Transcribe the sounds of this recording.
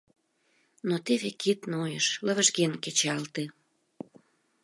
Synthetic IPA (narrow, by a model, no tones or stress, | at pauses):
not̪eβekit̪nojəʃləβəʒɣenket͡ɕɑlt̪e